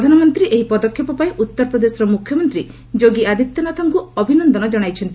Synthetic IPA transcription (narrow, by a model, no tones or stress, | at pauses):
d̪ʱanɔmɔnt̪ɾiʔeɦipɔd̪ɔkʰjɔpɔpaẽʔut̪ːɔɾɔpɾɔd̪esɔɾɔmukʰːjɔmɔnt̪ɾi | d͡ʒoɡiad̪it̪jɔnɔt̪ʰaŋkuɔbʱinɔnd̪ɔnɔd͡ʒɔɽ̃ajt͡ʃʰɔnt̪i